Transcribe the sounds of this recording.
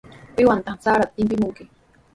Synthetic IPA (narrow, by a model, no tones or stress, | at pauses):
pɪwant̪at͡saɾat̪ɪmp̬ɪmʊŋkɪ